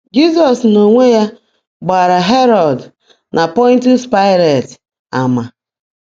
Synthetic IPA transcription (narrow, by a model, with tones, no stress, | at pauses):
d͡ʒi˦s̬ɔ˨sno˨ŋʷe˦ja˦ | ɡ͡ba˨ɾa˨ɦe˦ɾɔ˨d | nʔa˨pɔ̃˦n˦tu˦spa˦ɪ˦le˨t | a˨ma˨